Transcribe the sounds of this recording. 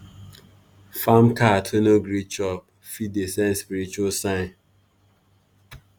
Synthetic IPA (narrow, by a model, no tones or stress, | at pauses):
famkatʰenoɡɾit͡ʃɔp̚ | fidesãnspiɾit͡ʃualsãɪ̃n